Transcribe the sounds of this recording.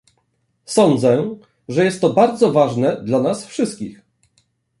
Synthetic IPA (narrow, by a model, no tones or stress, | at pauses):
sɔnd̪zɛ | ʐɛjɛst̪ːɔbaɾd̪zɔvaʐnɛd̪lanasfʂɘst̪̚kʲix